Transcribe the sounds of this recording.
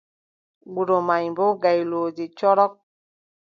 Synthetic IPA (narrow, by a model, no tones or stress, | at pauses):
ɡ͡buɾomaimboɡailod͡ʒit͡ʃɔɾɔk̚